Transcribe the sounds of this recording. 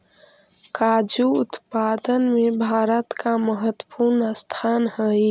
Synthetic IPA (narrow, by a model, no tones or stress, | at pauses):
kad͡ʒuʊt̪pad̪ənmebʱaːɾət̪kaməɦət̪wə̥puɾnəst̪ʰanhəj